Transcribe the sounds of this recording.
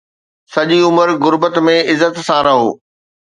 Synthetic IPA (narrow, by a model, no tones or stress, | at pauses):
sɐʄiʊməɾɣʊɾbət̪mẽɪzːət̪sãɾɐɦo̰ː